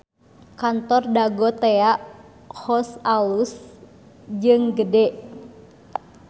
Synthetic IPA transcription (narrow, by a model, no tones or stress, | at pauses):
kant̪ɔrdaɡɔt̪eaʔ | hɔsalus | d͡ʒɨŋɡədɛ